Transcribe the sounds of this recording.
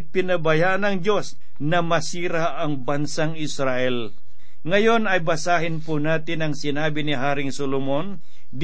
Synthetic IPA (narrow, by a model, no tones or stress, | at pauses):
pɪnɐbɐjaːʔɐnɐŋd͡ʒo̞s | nɐmɐsiːɾaʔɐŋbɐnsaŋɪsɾaʔɛl | ŋɐjo̞nɐjbɐsaːhɪnpʊnaːt̪ɪnɐŋsɪnaːbɪnɪɦaːɾɪŋsolomon | d̪